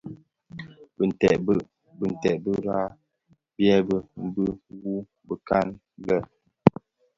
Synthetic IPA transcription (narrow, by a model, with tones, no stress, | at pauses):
bə˨ntɛ˨ʔ | bə˨n̩˨tɛ˨ʔbə˦ɾa˦ | bjɛ˦bə˦bə˦wu˦ | bə˨ka˦n˦ | ɡə˦˨